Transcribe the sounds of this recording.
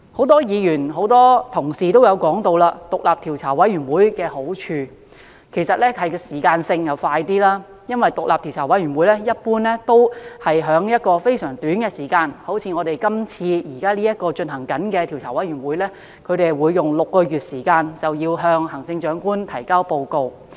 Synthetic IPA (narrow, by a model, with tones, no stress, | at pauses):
ho˨˧˥wt̪ɔː˥jiː˨˧jyː˨˩nɦo˨˥wt̪ɔː˥t̪ʰʊ˨˩ŋsiː˨t̪o˥wjɐ˨˧wkɔː˨˥ŋt̪o˧wlaː˧t̪ʊ˨k̚laː˨p̚t̪ʰiː˨˩wt͡sʰaː˨˩wɐ˨˥jɥyː˨˩nwuː˨˥jkɛː˧ho˨˥wt͡ʃʰyː˧ | kʰe˨˩jsɐ˨t̚lɛː˥ɐ˨˩jkɛ˧siː˨˩kaː˧nsɪ˧ŋjɐ˨˧wfaː˧jt̪iː˥laː˥ | jɐ˥nwɐ˨jt̪ʊ˨k̚laː˨p̚t̪ʰi˨˩wt͡sʰaː˨˩wɐ˨˥jɥyː˨˩nwuː˨˥jlɛ˥jɐ˥t̚puː˥nlɛ˥t̪o˥whɐ˨jɦœː˨˥ŋjɐ˥t̚kɔː˧fe˥jsœː˨˩ŋt̪yː˨˥nkɛː˧siː˨˩kaː˧nho˨˥wt͡sʰiː˨˧ŋɔː˨˧t̪e˨jkɐ˥mt͡sʰiː˧jiː˨˩kaː˥liː˥jɐ˥t̚kɔː˧t͡ʃɵ˧nɦɐ˨˩ŋkɐ˨˥nkɛː˧t̪ʰi˨˩wt͡sʰaː˨˩wɐ˨˥jɥy˨˩nwuː˨˥jlɛ˥ | kʰɵ˨˧t̪e˨jwuː˨˧jːʊ˨ŋlʊ˨kːɔː˧jyː˨t̚siː˨˩kaː˧nt͡sɐ˨wjiː˧wɦœː˧ŋɦɐ˨˩ŋt͡sɪ˧ŋt͡ʃœː˨˥ŋkuː˥nt̪ʰɐ˨˩jkaː˥wpo˧wko˧w